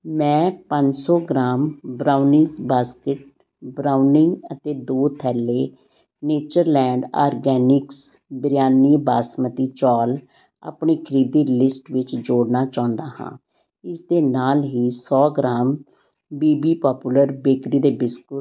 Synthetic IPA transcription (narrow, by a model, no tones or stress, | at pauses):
mɛ̃ːpəɲd͡ʒsɔːɡɾaːmbɾaːʊnɪzbaːskɪʈ̚ | bɾaːʊnɪ̃ŋɡət̪eːd̪oːt̪ʰɛːlːeː | neːt͡ʃəɾlɛ̃ːɳɖa̰ːɾɡɛːnɪks | bɾjaːniːbaːsmət̪iːt͡ʃɔːl | a̰ːpɳeːkʰəɾiːd̪iːlɪsʈʋɪt͡ʃd͡ʒoːɽnaːt͡ʃaːʊ̃nd̪aːhã̰ː | ɪsd̪eːnaːlɦiːsɔːɡɾaːm | biːbiːpɔːpuləɾbeːkɾiːd̪eːbɪskʊ